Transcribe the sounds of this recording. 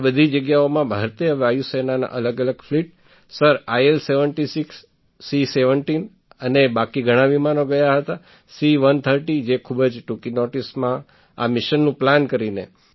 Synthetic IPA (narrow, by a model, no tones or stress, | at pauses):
bəd̪ʱid͡ʒəɡjaomãbʱaɾt̪eəʋajusenana̰ʔələɡələɡfliʈ̚ | səɾajelseʋəɳʈisiksː | iseʋəɳʈin | ənebakiɡʱəɽ̃ãʋimanoɡəjaɦət̪a | siʋənt̪ʰəɾʈid͡ʒekʰubəd͡ʒʈukinoʈismã | a̰mɪʃənːũplankəɾinḛ